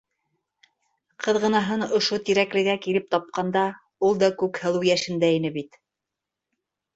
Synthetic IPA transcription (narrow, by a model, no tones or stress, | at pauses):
qʰɤ̆ðʁɤ̆nɑɦɤnŏʃot̪iɾæklɘ̆ɡækilɘp̚t̪ɑp̚qɑnd̪ɑ | ulˠd̪ɑkʉkhɤ̆lˠɤwjæʃɘ̆nd̪æinɘbit̪